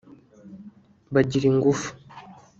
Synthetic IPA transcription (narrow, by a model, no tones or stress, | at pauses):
βaɟiɾiŋɡufu̥